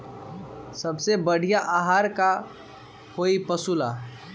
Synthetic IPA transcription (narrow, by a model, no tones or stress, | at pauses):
səbsebəɽ̤ijaʔaɦaːɾka | koipəsula